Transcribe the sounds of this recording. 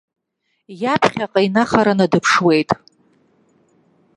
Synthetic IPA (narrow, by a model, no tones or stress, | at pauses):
japʰχʲaqʼainaχaɾanadɨpʰʂwe̞jtʼ